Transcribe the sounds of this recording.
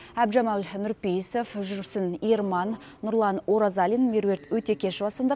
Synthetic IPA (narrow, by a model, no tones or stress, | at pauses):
æbʒɑmɑlnʊɾpejsofʒʏɾsɪnijrmɑnː | ʊɾlˠɑnoɾɑzɑlʲinmʲeɾwe̞ɾt̪wɵt̪e̞kʲʰe̞ʃbɑsənd̪ə